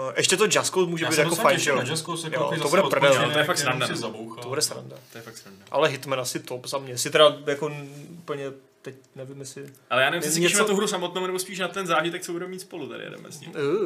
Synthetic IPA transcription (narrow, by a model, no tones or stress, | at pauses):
ʔɛʃcɛt̪od͡ʒaskowsmuːʒɛbit̪jakofajnʒɛjoaskosjo̰obudɛpr̩vɛt̪ojɛfaksɾandaɛzabowxt̪obudɛsɾa̰ndat̪ojɛfaksɾandaʔa̰lɛɦɪt̪mɛnasɪt̪opzamɲɛsɪt̪ɛɾajakonupl̩ɲɛt̪ɛc | nɛvɪmjɛsɪʔalɛjaːnɛvɪmssɛɲɛʃimnat̪uɦɾusamot̪noːwnɛbospiːʃnat̪ɛnzaːʒɪt̪ɛk̚t͡sɛbudɛmmiːt̪spolut̪adɪ̰jɛ̰dɛ̰mɛ̰sḭ